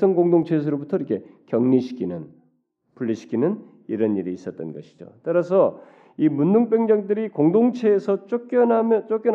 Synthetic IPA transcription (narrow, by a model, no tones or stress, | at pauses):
sʰʌŋɡoŋdoŋt͡ɕʰes̬ʰɯɾobutʰʌiɾikʰe̞kjʌŋniɕʰi̥kʰinɯn | puʎːiɕʰi̥kʰinɯn | iɾʌniɾiːs͈ʌt̚t͈ʌnɡʌɕʰi̥d͡ʑo̰t͈aɾasʰʌ | imunduŋp̬͈jʌŋd͡ʑʌŋdɯɾikoŋdoŋt͡ɕʰeːsʰʌt͡ɕ͈ok͈jʌnamʌt͡ɕ͈ok͈jʌn